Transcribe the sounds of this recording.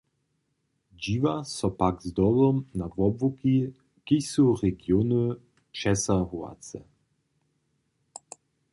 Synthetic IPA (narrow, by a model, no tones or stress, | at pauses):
d͡ʑivasɔpakzd̪ɔlɔmnavɔbvuki | kisuʁɛɡjonɨ | ʃɛsaɣua̰t͡sɛ̰